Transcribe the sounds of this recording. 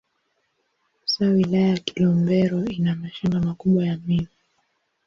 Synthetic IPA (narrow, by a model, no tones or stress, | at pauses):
sawilajajaki̥lɔmbɛɾɔinamaʃaŋɡamakuɓwajamimi